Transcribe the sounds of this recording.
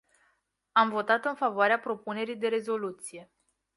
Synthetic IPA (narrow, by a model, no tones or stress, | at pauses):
amvo̞t̪at̪ɨnfavoaɾeapɾo̞pune̞ɾijd̪e̞ɾe̞zo̞lut̪sije̞